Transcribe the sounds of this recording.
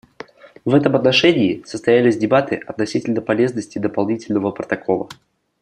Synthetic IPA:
vɛt̪əmɐt̪nɐʂɛnʲɪːsəst̪ɐjælʲɪsʲdʲɪbat̪ɨʔɐt̪nɐsʲitʲɪlʲnəpɐlʲe̞znəsʲtʲɪd̪əpɐlˠnʲitʲɪlʲnəvəpɾət̪ɐkʰo̞lˠə̰

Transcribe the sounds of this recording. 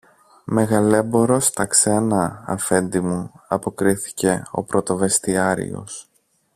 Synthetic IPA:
me̞ɣɐle̞bo̞ɾost̪ɐkse̞nɐɐ̰fe̞nd̪imuɐpo̞kɾiθi̥ce̞o̞̰pɾo̞t̪o̞ve̞st̪iɐɾḭo̞̰s

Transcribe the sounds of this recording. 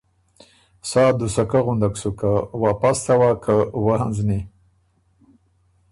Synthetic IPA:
sɑd̪usakaɣund̪aksukawapast̪awakʰawahanzni

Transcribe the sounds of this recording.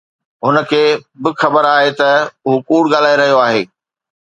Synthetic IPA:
ɦʊnə̆kʰeːbɪxɐbəɾaːɦet̪ɐʊɦokuːɽɠaːl̤aːeɾɐɦijoaːɦeː

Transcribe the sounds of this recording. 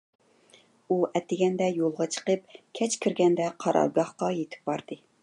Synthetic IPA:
uʔɛt̪ːɪɡʲɛnd̪ɛjolˠʁɑt͡ʃʰə̥qəpkʲʰɛt͡ʃkʲʰiɾɡʲɛnd̪ɛqʰɑɾʔɑ̰ɾɡɑχqɑjet̪ʰɪ̥p̚bɑɾd̪ɨ

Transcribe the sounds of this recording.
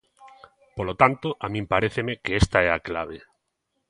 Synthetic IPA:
polot̪ant̪oʔamĩmpaɾeθemekeest̪aɛaklaβ̞e

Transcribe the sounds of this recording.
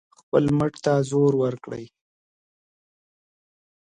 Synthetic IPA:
xpəlməʈt̪azoɾwəɾkɽə̰j

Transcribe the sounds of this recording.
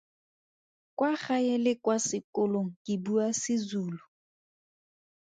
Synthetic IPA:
kwaχaelɪkwasɪkʊloŋ̩kʼɪbuasɪzuːlʊ

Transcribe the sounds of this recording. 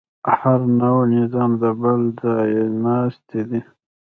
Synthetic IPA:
haɾnawnɪzɑmd̪əbəlzɑjenɑst̪ʰed̪i

